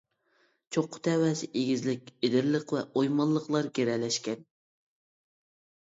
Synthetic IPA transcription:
t͡ʃʰoqʰːʊ̥t̪ʰɛwɛsɪʔeɡʲizlɪkʲed̪ɪɾləqvɛʔojmɑlˠːəqlˠɑɾɡʲeɾɛlɛʃkʲɛn

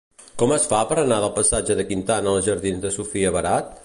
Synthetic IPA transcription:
kɔməsfapəɾənaðəlˠpəsad͡ʒəðəkint̪anəlˠʒəɾðinzd̪əsufiəβəɾat̪̚

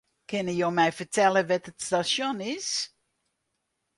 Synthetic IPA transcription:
kʰɪnəjoːmɛjfərtʰɛləʋɛtətstasonɪs

